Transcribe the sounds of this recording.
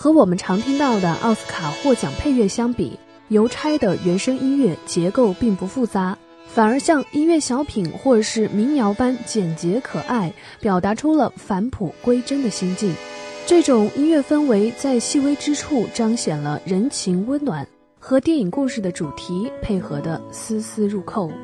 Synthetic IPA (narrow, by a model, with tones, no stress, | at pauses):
xɤ˧˥wɔ˨˩mə˦nʈ͡ʂʰɑ˧˥ŋt̪ʰi˥ŋt̪ɑ˥˩ʊd̪ə˩ʔɑ̰˥˩ʊs̩˥kʰa˨˩xwɔ˥˩t͡ɕjɑ˨˩ŋpʰe˥˧ɪɥɛ˥˩ɕjɑ˥ŋpḭ˨˩˦ | jo˧˥ʊʈ͡ʂʰa˥ɪd̪ə˨ɥɛ˧˥nʂɤ˥ŋi˥nɥɛ˥˩t͡ɕjɛ˧˥ko˥˧ʊpi˥˩ŋpu˧˥fu˥˩t͡sa˧˥ | fa˨˩ə˞˧˥ɕjɑ˥˧ŋi˥nɥɛ˥˩ɕjɑ˧˥ʊpʰi˨˩nxwɔ˥˧ʈ͡ʂʂɻ̩˥˩mi˧˥ŋjɑ˧˥ʊpa˥nt͡ɕjɛ˨˩nt͡ɕjɛ˧˥kʰɤ˨˩ʔa˥˩ɪ | pjɑ˨˩ʊt̪a˧˥ʈ͡ʂʰu˥lə˨fa˧˥npʰu˨˩kwe˥ɪʈ͡ʂə˥nd̪ə˨ɕi˥ŋt͡ɕi˥˩nʈ͡ʂɤ˥˩ʈ͡ʂʊ˨˩ŋi˥nɥɛ˥˩fə˥nwe˧˥ɪt͡sa˥˧ɪɕi˥˩we˥ɪʈ͡ʂɻ̩˥ʈ͡ʂʰu˥˩ʈ͡ʂɑ˥ŋɕjɛ˨˩nlə̰˦ɻə˧˥nt͡ɕʰi˧˥ŋwə˥nnwa˨˩˦n | xɤ˧˥t̪jɛ˥˩ni˨˩ŋku˥˧ʂɻ̩˥˩d̪ə˩ʈ͡ʂu˨˩t̪ʰi˧˥pʰe˥˩ɪxɤ˧˥d̪ə˧sɹ̩˥sɹ̩˥ɻu˥˧kʰo˥˩ʊ